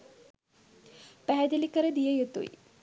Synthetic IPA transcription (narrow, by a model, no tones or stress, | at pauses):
pɛɦɛd̪elikɐɾed̪ijɐjet̪ṵj̰